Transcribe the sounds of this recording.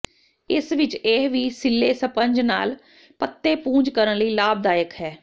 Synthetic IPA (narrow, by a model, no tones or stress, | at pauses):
ɪsʋɪt͡ʃeːɦʋiːsɪlːeːsəpəɲd͡ʒna̰ːl | pət̪ːeːpũːɲd͡ʒkəɾənləiːlaːb̚d̪aːjəkɦɛː